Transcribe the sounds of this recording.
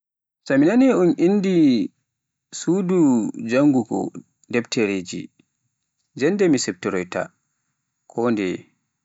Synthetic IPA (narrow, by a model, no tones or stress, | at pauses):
saminanɛɔnʔinːdi | sudud͡ʒaŋɡuɡɔ̰ | dɛbtɛɾed͡ʒḭ | d͡ʒɛndɛmisɛp̚tɛɾɔjta̰ | kʰɔndɛ